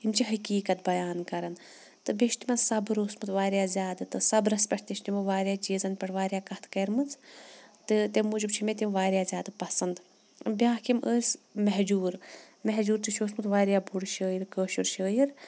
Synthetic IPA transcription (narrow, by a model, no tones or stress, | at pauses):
imt͡ʃʰiɦɐkiːkɐt̪̚bɐjaːnkɐɾɐn | t̪ɨbeʃt̪imɐsɐbɾoːsmɨt̪ʋaːɾʲjaːzʲjaːd̪ɨt̪ɨsɐbɾɐspʲɐʈʰt̪iʃt̪imɐʋaːɾjaːt͡ʃiːzɐnpʲɐʈʰʋaːɾjaːkɐht̪kɐɾmɨnt͡sʰt̪ɨt̪emuːd͡ʒib̚t͡ʃʰimet̪ʲimʋaːɾʲjaːzʲjaːd̪ɨpɐsɐnd̪ | bʲjaːkimʔəːsmɛɦd͡ʒuːɾ | mɛɦd͡ʒuːɾt̪ɨʃʰoːsmɨt̪ʋaːɾjaːbuɽʃəːjiɾkəːʃuɾʃəːjiɾ